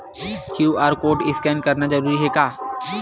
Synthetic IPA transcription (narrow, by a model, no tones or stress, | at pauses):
kjuːʔaːɾkoːʈɪskɛ̃ːnɖ̚kɐɾnazɐɾuːɾiɦɛkaː